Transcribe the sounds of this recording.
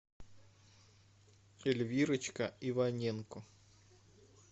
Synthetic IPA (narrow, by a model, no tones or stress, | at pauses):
ɛlʲvʲiɾɨt͡ɕkɐivanʲɛnkʊ